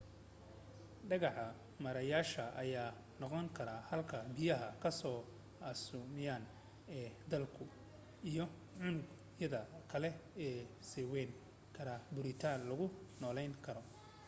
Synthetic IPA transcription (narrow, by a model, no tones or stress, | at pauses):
ɖɐɣɑħɐ | mɐɾɐjaːʃɐʔɐjaː | nɔqɔŋkʰɐɾaːhɐlkʰɐbɪjɐɦɐkʰɐsɔː | ɑsumɪjaːn | ɛːd̪ɐlkʰʊ | ijɔ | ʕʊnʊɡ | jɐðɐkʰɐlɛɛːsɛːwɛŋ | kʰɐɾabʊɾɪt̪ʰaːnlɐɣʊnɔːlɛjŋkʰɐɾɔ